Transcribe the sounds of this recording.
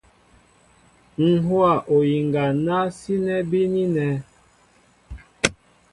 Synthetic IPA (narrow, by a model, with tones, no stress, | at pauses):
ŋ̩˨ɦwa˨ʔo˨ji˨ŋɡa˨na˦si˦nɛ˦bi˦ni˦nɛ˦